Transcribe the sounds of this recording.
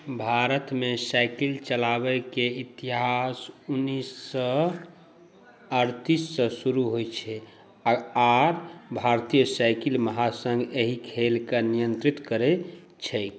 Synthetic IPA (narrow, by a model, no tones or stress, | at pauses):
bʱaɾət̪mesajkilt͡ʃəlabɛkeit̪iɦasunːisːə | əɾt̪isːəsuɾuɦojt͡ʃʰɛ | aaɾbʱaɾt̪ijəsajkilməɦasə̃ŋɡeɦikʰelkenijənt̪ɾit̪kəɾɛ | t͡ʃʰɛ